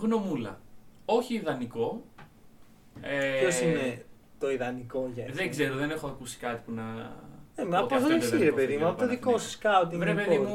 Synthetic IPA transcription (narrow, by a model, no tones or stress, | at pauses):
ɣno̞mulɐ̰o̞çiːðɐniko̞ | eçosine | t̪o̞iðɐniko̞ʝɐðeŋɡze̞ɾoðene̞xoɐkusi̥kɐt̪i̥punɐnemeɐpozðeleksiiɾepe̞ðimuɐpot̪oðikosɐ̥skɐot̪iɾepeðimu